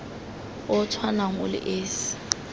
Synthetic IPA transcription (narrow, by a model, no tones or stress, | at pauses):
ɔtʰwanaŋʊ̰lɪ̰ʔeːsi̥